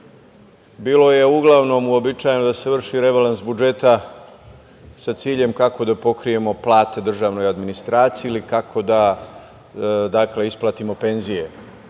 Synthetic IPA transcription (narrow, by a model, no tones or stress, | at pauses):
biːlo̞je̞uɡlˠaʋno̞muo̞bit͡ʃaːjenod̪ase̞ʋr̩ʃiɾe̞ʋalansbud͡ʒe̞t̪a | sat̪siːʎe̞mkako̞d̪apo̞kɾije̞mo̞plˠaːt̪ed̪r̩ʒaːʋno̞jad̪minist̪ɾaːt̪sijilikakʰo̞d̪a | d̪akle̞isplˠat̪imo̞pe̞nzije̞